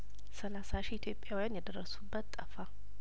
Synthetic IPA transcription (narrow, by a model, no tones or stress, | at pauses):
səlasaʃiit̪ʰjo̞pʼjawijanjɛd̪ərːəsubːət̪ʼːəfa